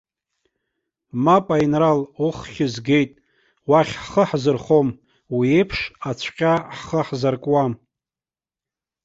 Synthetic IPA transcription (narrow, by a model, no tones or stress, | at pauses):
mapʼainraluχχʲɪzɡʲe̞jtʼ | waχʲħχəħzɨrχom | wiejpʰʂat͡ɕʷʰqʲʼaħχəħzarkʼwam